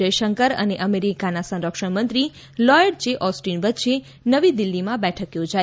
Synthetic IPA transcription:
əjʃəŋkəɾə̰neʔəmeɾikanasə̃nɾəkʃəɳmənt̪ɾi | lɔjəɖd͡ʒeʔɔsʈinʋət̪ːʃʰe | nəʋid̪ɪlːimãbɛʈʰəkjod͡ʒa

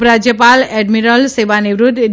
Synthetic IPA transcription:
pɾad͡ʒjəpaleɖmiɾəlseʋaneʋɾud̪ʱn

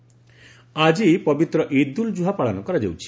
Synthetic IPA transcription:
ad͡ʒipɔbit̪ɾɔʔid̪uld͡ʒuɦapaɭanɔkɔɾad͡ʒewt͡ʃʰi̥

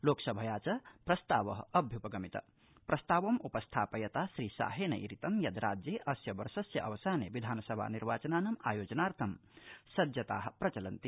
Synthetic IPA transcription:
loːksɐbʱɐjaːt͡sɐprɐst̪aːʋɐɦɐbʱjupɐɡɐmit̪ɐ̰ | prɐst̪aːʋɐmupɐst̪ʰaːpɐjɐt̪asɾisa̰ːɦenɐ̰iɾit̪ɐmjɐd̪ɾaːd͡ʒjeʔɐsjɐbɐɾsɐsjɐʔɐʋɐsaːnḛʋid̪ʱaːnɐsɐbʱa̰ːniɾʋaːt͡ʃɐnaːnɐmaːjoːd͡ʒɐnaːɾt̪ʰɐmsɐd̪jɐt̪aːɦprɐt͡ʃɐlɐnt̪i

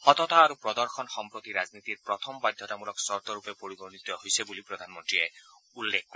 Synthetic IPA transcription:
hɔt̪ɔt̪aːɾupɹɔd̪ɔɹxʰɔnxɔmpɹot̪iɾaznit̪iɹpɹɔt̪ʰɔmbad̪ʱjɔt̪amulɔksɔɹt̪ɔɾupepoɹibɔɹnit̪ːɔɦojsebulipɹɔd̪ʱanmɔntɹiɛ | ulːek̚ʰkːɔ

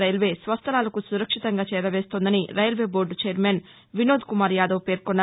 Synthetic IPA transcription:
ɐjlʋe̞ːsʋɐst̪ʰɐlaːlɐkusuɾɐkʂit̪ɐŋɡaːt͡ʃɛːɾɐʋe̞ːst̪oːnd̪ɐniɾɐjɐlʋeːbo̞ːɾɖt͡ʃeːɐɾmeːn | ʋinoːd̪kumaːɾjaːd̪ɐʋpe̞ːɾkɔnːa

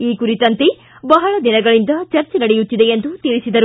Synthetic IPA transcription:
iːkuɾit̪ɐnt̪e | bɐɦɐɭɐd̪inɐɡɐɭind̪ɐt͡ʃɐɾt͡ʃenɐɽejut̪ːid̪eend̪ut̪iɭisid̪ɐɾu

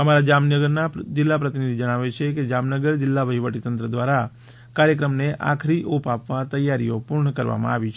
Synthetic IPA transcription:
əmaɾad͡ʒamnəɡəɾnad͡ʒɪlːapɾət̪inid̪ʱid͡ʒəɽ̃aʋet͡ʃʰeked͡ʒamnəɡəɾd͡ʒɪlːaʋəɦiʋəʈit̪ənt̪ɾəd̪ʋaɾa | kaɾjəkɾəmneʔa̰kʰɾiʔopapʋat̪əjːaɾijopuɾɳəkəɾʋa̰mã̰aʋit͡ʃʰ

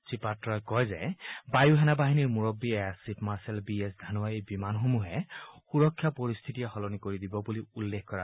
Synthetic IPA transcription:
sipatɹɔjkɔjzɛ̰bajuɦɛnabaɦiniɹmuɹɔbːiɛasipʰmaɹsɛlbiɛsdʱanʊwaejbimanxomuɦɛxuɹɔkʰːjapoɹist̪ʰitijɛxɔlɔnikoɹid̪ibɔbuliulːekʰkɔɹa

